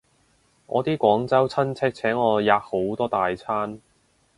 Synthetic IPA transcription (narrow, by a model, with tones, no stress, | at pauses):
ŋɔ̰ː˨˧t̪iː˥kʷɔː˨˥ŋt͡sɐ˥wt͡sʰɐ˥nt͡sʰɛ˥k̚t͡sʰɛː˨˥ŋɔː˨˧jaː˨˧k̚ho˨˥wt̪ɔː˥t̪aː˨jt͡sʰaː˥n